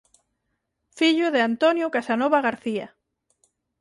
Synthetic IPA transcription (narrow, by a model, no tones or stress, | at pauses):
fiʎʊðeant̪onjokasanɔβaɣaɾθia̰